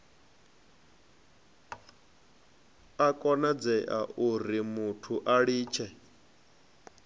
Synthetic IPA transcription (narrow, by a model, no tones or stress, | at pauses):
akʼɔnad͡zɛʔa̰uɾimutʰuʔaɺiːt͡ʃʰɛ